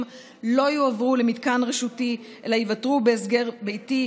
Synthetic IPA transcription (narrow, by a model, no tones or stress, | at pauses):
m | lo̞juavʁulemidkanʁeʃuti | ʔḛlajivatʁubeːsɡeʁbe̞jti